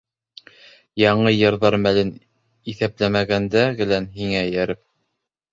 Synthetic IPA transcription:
jɑɴɤjɤ̆ɾðɑɾmælɘn | iθæplæmæɡænd̪æɡɘ̆lænɦiŋæjæɾɘp̚

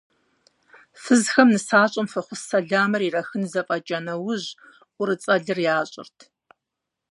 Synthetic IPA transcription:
fɨzxɐmnɨsaːɕʼɐmfɐχʷʊsɐɮaːmɐrirɐxɨnzɐfʼɐd͡ʒʼɐnɐwʊʑ | ʔʷʼʊɾɨt͡sʼɐɮɨrjaːɕʼɪ̰rtʰ

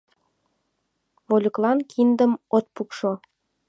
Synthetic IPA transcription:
βolʲə̆klˠɑnkʰind̪ə̆mot̪̚pukʃo

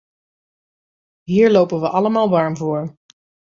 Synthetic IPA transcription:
ɦiːɹlowpənʋəʔɑləmaːlˠʋɑɹmvʊːɹ

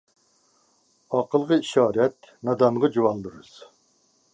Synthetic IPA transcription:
ɑqəlˠʁəiʃɑːɾɛt̪̚ | nɑd̪ɑnʁɑd͡ʒuwɑlˠd̪ɨɾɨz̥

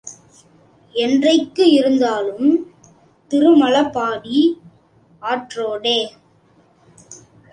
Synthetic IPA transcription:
ɛndrɐɪkːɯɪɾɯnd̪aːlɯm | t̪ɪrɯmɐlɐpːaːɽi | aːʈroːɽeː

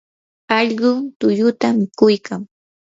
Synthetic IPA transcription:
ɑʎɢʊt̪ʊjʊt̪amɪkʊjkaŋ

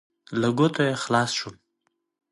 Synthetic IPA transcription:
ləɡot̪ʰojexlɑsʃu

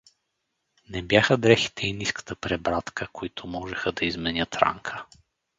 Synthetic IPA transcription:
nɛbjaxəd̪ɾɛxi̥t̪ʰɛiniskə̥t̪əpɾɛbɾat̪kəkoit̪ʰʊmɔʒɛxəd̪ɐizmɛnʲət̪ɾa̰ŋkʰə̥

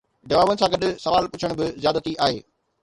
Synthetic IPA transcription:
d͡ʑɐʋaːbənɪ̆sãːɡɐɗsɐʋaːlpʊt͡ɕʰəɽ̃bɪzjaːd̪ət̪iʔaːɦḛː

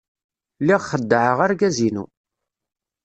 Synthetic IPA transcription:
liʁχəd̪ːəʕəʁaɾɡæzinṵ

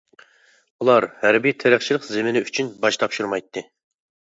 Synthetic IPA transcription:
ulˠɑɾhæɾbit̪ʰeɾæχt͡ʃʰilˠəqzemɪnɪyt͡ʃʰynbɑʃt̪ʰɑpʃuɾmɑjt̪ʰːɨ

